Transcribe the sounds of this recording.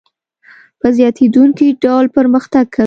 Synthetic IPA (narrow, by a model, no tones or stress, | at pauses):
pəzjɑt̪ed̪uŋkiɖɑwlpəɾməxt̪aɡ̚kʰa